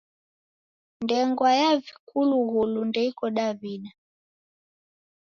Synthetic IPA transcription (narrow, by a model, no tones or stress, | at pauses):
ndɛŋɡwajavikuluɣulundɛikɔɗavina